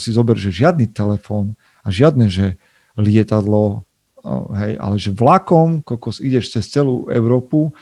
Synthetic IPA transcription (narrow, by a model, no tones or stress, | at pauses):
sizɔbɛɾʒɛʒɪad̪nit̪ɛlɛfɔːn | aʒɪad̪nɛʒɛ | lɪɛt̪ad̪lɔ | ɦɛjʔa̰lɛʒɛvlakɔmkɔlkɔsiɟɛʃt͡sɛst͡sɛlṵːɛ̰ʊɾɔːpu